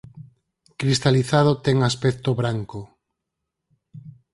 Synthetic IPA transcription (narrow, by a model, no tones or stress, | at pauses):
kɾist̪aliθað̞ot̪ɛŋaspɛkt̪oβɾaŋko